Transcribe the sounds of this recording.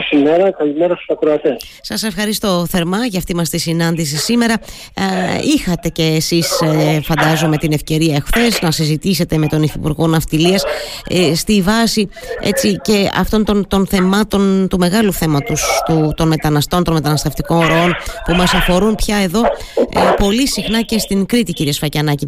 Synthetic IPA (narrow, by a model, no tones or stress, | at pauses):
simeɾɐkɐlimeɾɐsu̥sɐkɾoɐt̪es | sɐse̞fxɐɾist̪o̞θe̞ɾmɐʝɐft̪imɐst̪isinɐnd̪is̬isime̞ɾɐ | ixɐt̪e̞ce̞ːsisfɐnd̪ɐzome̞t̪ine̞fce̞ɾiɐexθe̞znɐsizit̪ise̞t̪e̞me̞t̪o̞nifipṵɾɣo̞nɐft̪iliɐsst̪ivɐsi | ḛt͡sice̞ɐ̰ft̪o̞nt̪o̞nt̪o̞nθe̞mɐt̪o̞nt̪ume̞ɣɐluθe̞mɐt̪ust̪ut̪o̞nme̞t̪ɐnɐst̪o̞nt̪o̞nme̞t̪ɐnɐst̪eft̪iko̞nɾoo̞npumɐsɐfo̞ɾunpçɐe̞ðo̞po̞lisixnɐce̞st̪iŋkɾit̪iciɾiesfɐcɐnɐci